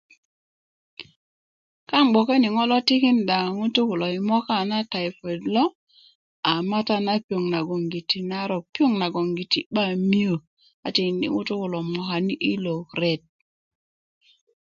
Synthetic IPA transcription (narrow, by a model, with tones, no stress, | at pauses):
ka˦ŋɡ͡bo˨ke˦ni˨ŋo˦lo˦ti˦ki˦nda˨ŋu˦tu˦ku˨lo˨i˨mo˦ka˦˨na˦ta˨jfe˨dlo˦ | a˨ma˦ta˦na˦pi˦o˨ŋna˨ɡo˨ŋɡi˨ti˨na˦ɾo˨pi˦o˦ŋna˨ɡo˨ŋɡi˨ti˨ɓa˦mi˦o˨ | a˨ti˨nḭ˨˦ŋu˦tu˦ku˨lo˨mo˨ka˨ni˦ʔi˦lo˨kɾe˦˨t̚